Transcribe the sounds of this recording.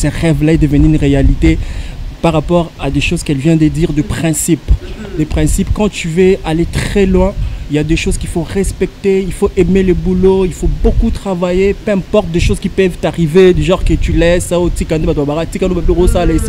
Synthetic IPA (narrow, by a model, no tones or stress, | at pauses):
sɛʁɛvlaɛd̪əvənyynʁealit̪epaʁapɔʁad̪eʃozkɛlvjɛ̃d̪əd̪iʁd̪əpχɛ̃sipd̪əpχɛ̃sipkɑ̃t̪yvøalet̪χɛlwɛ̃iljad̪eʃozkʲifoʁɛspɛk̚t̪eilfoʔɛmelebuloilfobokut̪χavajepøɛ̃pɔʁt̪̚d̪eʃozkʲipœvt̪aʁived̪yʒɑ̃ʁkət̪ylɛsaot̪ikanebad̪wabaʁat̪ikanobaloʁosalaisi